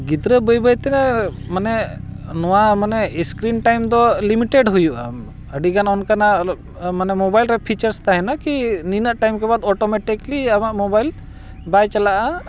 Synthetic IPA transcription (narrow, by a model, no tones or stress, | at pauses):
ɡid̪ɾəbəjbəjt̪ɛnɛmanɛnɔwamanɛskɾinʈajmd̪ɔlimiʈeɖɦujuʔa̰ | əɖiɡanɔnkana | manɛmɔbajlɾɛpʰit͡ʃəɾst̪aɦɛnakininəʔʈajmkɛbad̪ɔʈɔmɛʈikliamaʔmɔbajl | bajt͡ʃalaʔa